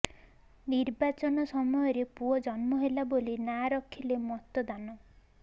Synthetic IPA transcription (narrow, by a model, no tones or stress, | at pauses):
niɾbat͡ʃɔnɔsɔmɔjɔɾepuɔd͡ʒɔnmɔɦelabolinaɾɔkʰilemɔt̪ɔd̪anɔ